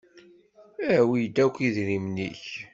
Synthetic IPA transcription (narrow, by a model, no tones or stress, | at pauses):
æwijd̪ækʷːiðɾimnḭç